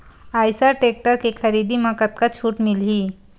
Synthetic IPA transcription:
ajsaʈek̚ʈəɾkikʰəɾid̪iːməkət̪̚kat͡ɕʰuːʈmilɦiː

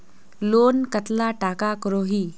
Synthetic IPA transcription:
loːnkət̪laʈaːkakəɾoːɦiː

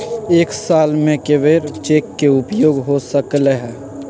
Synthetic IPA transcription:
eːksaːlmẽkeʋeːɾt͡ʃeːkːeʊpjoːɡɦosəkleɦɛː

